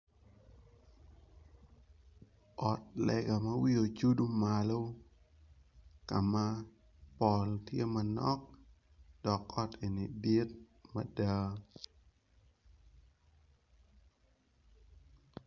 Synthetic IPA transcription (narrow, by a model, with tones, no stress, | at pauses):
ɔ˨t̚lɛ˨ɡa˨ma˦wi˦o˨t͡ʃu˦du˦ma˨lo˦ | ka˨ma˦ | pɔ˨ltje˦ma˦nɔ˦k̚ | d̥ɔ˨kɔ˦te˨ni˨di˦t̚ | mɐ˦da˦